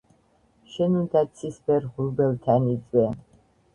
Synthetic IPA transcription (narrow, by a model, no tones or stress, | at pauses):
ʃɛnund̪at̪sʰisbɛɾʁuɾbɛlt̪ʰanit͡sʼwɛ